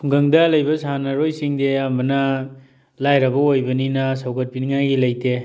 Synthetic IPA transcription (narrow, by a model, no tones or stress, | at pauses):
pʰuŋɡɐŋdɐlɐjbɐsanɐɾojsiŋdeɐmbɐnɐ | lajɾɐbɐojbɐninɐsɐwkʰɐt̚piniŋajɡilɐjte